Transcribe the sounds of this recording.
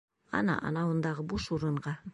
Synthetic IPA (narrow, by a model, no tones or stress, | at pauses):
ɑ̰nɑ̰ʔɑ̰nɑwənd̪ɑʁəbuʃuɾəɴʁɑ